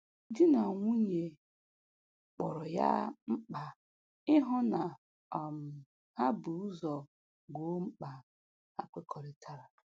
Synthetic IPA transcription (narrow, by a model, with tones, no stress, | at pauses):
dɪ˦na˨ŋʷu˦ɲe˨ | k͡pɔ˨ɾɔ˨ja̰˦ŋ͡m̩˦k͡pa˨ | ɪ˦ɦɔ˦na˨ | m̩˨ | a˦bu˨˦zɔ˨ | ɡo˨˦ŋ͡m̩˦k͡pa˨ | a˦kʷe˦kʰɔ˨ɾɪ˨tʰa˨ɾa˨